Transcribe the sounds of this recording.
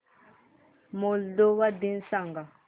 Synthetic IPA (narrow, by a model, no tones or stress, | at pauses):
moldowadinsaŋɡa